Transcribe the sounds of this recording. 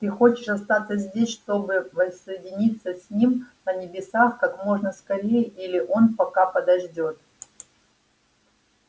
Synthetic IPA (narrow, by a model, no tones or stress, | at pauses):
t̪ɨxo̞t͡ɕɪʂɐst̪at̪səzʲdʲesʲʂt̪o̞bɨvəsːəjɪdʲɪnʲit̪səsʲnʲimnənʲɪbʲɪsaxkakmo̞ʐnəskɐɾʲejəʔilʲɪʔo̞npɐkapəd̪ɐʐdʲo̞t̪